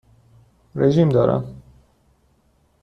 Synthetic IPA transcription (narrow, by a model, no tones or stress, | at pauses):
ɾeʒiːmd̪ɒːɾæ̰m